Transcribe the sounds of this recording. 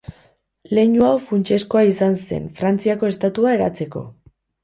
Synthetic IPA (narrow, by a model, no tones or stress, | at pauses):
le̞ɲuawfunt͡ʃe̞sko̞aisanse̞̰nfɾant͡siako̞e̞st̪at̪uae̞ɾa̰t͡se̞ko̞̰